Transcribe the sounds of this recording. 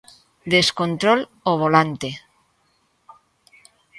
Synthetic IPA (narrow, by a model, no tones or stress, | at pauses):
d̪eskont̪ɾol | oβ̞olant̪e